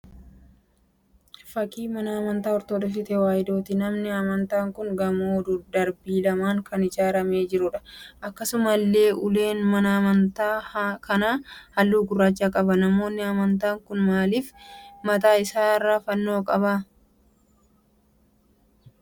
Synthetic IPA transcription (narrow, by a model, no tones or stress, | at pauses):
fɐkiːmɐnɐɐmɐnt̪aːɔɾt̪oːᶑɐfɪt̪ɛwaːjɪd̪o̞ːt̪ɪnɐmnɪɐmɐnt̪aːŋkʊŋɡɐmoːd̪ʊd̪ɐɾbiːlɐmaːŋkʰɐnɪd͡ʒaːɾɐme̞ːd͡ʒɪɾʊᶑɐ̥ʔɐkːɐsʊmɐlːe̞ːʔʊle̞ːnmɐnɐːmɐnt̪aːkɐnaːhɐlːuːɡʊrːaːt͡ʃːaːkʼɐbɐnɐmo̞ːnːɪɐmɐnt̪aːŋkʊnmaːliːfmɐt̪aːɪsaːrːaːfɐnːo̞ːkʼɐba